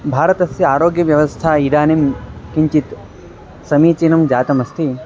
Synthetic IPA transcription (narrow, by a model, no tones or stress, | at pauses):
bʱaːɾɐt̪ɐsjɐaːɾoːɡjɐʋjɐʋɐst̪ʰaːid̪aːnimkiɲt͡ʃit̪ | sɐmiːt͡ʃiːnɐmd͡ʒaːt̪ɐmɐst̪ʰi